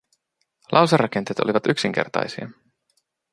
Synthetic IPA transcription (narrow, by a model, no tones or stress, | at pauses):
lʔɑwserːɑke̞nt̪et̪oliʋɑt̪yksiŋk̟e̞̰rt̪ɑ̰jsiɑ